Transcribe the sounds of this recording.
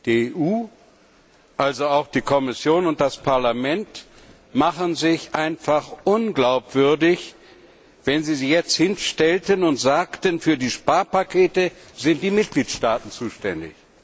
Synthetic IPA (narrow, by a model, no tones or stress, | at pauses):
d̥ieʔuː | ʔalzoaʊxd̥iːkʰɔmɪsjoːnʊnt̚d̥aspʰaɐlamɛnt | maχənzɪçʔaɪnfaχʔʊnɡlaʊpv̥ʏɐdɪç | vɛnziːziːjɛt͡sthɪnʃtɛltənʊntz̥aːktənfyːɐdiːʃpaːɐpakʰeːtəzɪnt̚d̥iːmɪt̚ɡ̥liːtʃtaːtn̩t͡suːʃtɛndɪ̰ç